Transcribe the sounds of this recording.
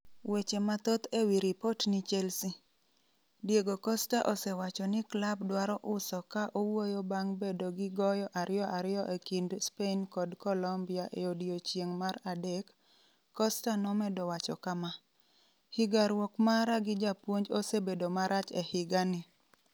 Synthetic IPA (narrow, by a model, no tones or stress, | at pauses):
wet͡ʃemat̪ot̪ewiɾɪpotnɪt͡ʃɛlsi | djeɡokɔstaʔosɛwat͡ʃɔnɪklabdwaɾɔʔʊsɔkaʔowojobaŋbedoɡɪɡɔjɔʔaɾɪjɔʔaɾɪjɔʔekindspenkɔdkɔlɔmbɪaʔeodjot͡ʃjeŋmaɾadɛkː | ɔstanɔmɛdɔwat͡ʃɔkama | hɪɡaɾwɔkmaɾaɡɪd͡ʒapwoɲd͡ʒosebedomaɾʔat͡ʃɛhɪɡanɪ